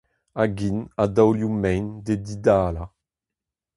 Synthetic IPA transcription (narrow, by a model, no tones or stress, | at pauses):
aɡinad̪awljumɛjnd̪ed̪id̪aːla